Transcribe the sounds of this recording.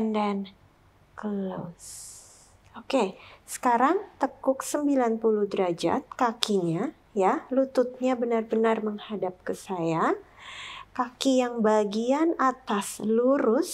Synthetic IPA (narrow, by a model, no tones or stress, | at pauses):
ndɛn | kəlo̰s | okesə̥kaɾaŋt̪əkʊksəmbilanpuluhdəɾad͡ʒa̰t̪̚kakiɲa | jalut̪ʊt̪̚ɲabənarbənarməŋhadap̚kəsaja | kakijaŋbaɡianat̪asluɾʊs